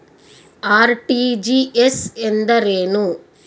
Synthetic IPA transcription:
aːɾʈid͡ʒiesend̪ɐɾeːnu

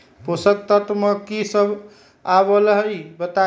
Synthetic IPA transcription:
posək̚t̪ət̪məkisəb | aβələɦəjbət̪a

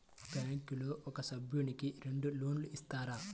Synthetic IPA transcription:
baːŋkuloːʔɔkɐsɐbʱjuɳikiɾe̞ɳɖuloːnluist̪aːɾa

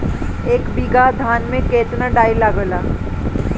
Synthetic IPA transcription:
eːkbiɡad̪ʱaːnmẽkeːt̪naɖaːilaːɡəlaː

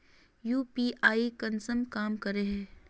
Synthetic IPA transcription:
juːpiːʔaːikɐnsəmkaːmkɐɾeɦɛ̃ː

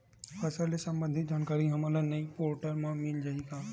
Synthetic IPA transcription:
fʰɐsaːlesɐ̃mbə̃nd̪ʱɪt̪̚d͡ʒaːnkaːɾiɦɐmaːlanɐipoːɾʈəɾmãmɪld͡ʒaikaː

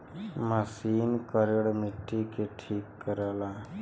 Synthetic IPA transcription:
məsiːnkəɾeɽmɪʈːikeʈʰiːkːəɾala

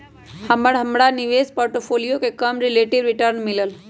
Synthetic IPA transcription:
həməɽɦəmɽanɪʋeːspoːɾʈopʰoːlijokekəmɾɪleːʈiɖɾɪʈəɾnmɪləl

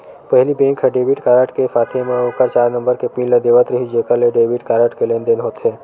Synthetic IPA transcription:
pəɦlibẽːŋkʰeɖeːbɪʈkaːɾəʈkesaːt̪ʰemẽoːkəɾt͡ʃaːɾnə̃mbəɾkepĩlləd̪eʋət̪ɾəɦid͡ʒeːkəɾleɖeːbɪʈkaːɾəʈkelẽːnd̪ɪnɦoːt̪ɦɛː

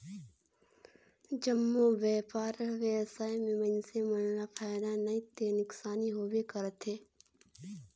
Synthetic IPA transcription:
d͡ʒəmːoʋɛːpaːɾʋebsaːimẽmə̃nsemənlapʰaːɪd̪anɐɦĩt̪enʊksaːniɦoːbekəɾət̪ɦeː

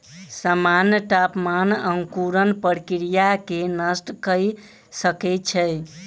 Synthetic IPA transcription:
samanjəʈapmanəŋkuɾənpəɽkiɾijakenəsʈkəj | səkɛt͡ʃʰəj

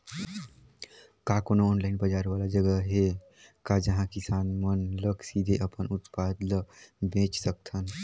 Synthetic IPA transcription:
kakonoɔnlaɪinbəd͡ʒaɾbalad͡ʒəɡəɦe | kad͡ʒəɦãkisanmənləksid̪ʱeʔəpənut̪pad̪ləbẽt͡ʃsək̚t̪ʰən

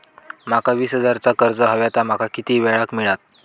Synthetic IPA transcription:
makaʋiːsɦəd͡zaɾt͡sakəɾd͡zəɦəʋjat̪amakʰakit̪iːʋɛɭakmiɭat̪̚

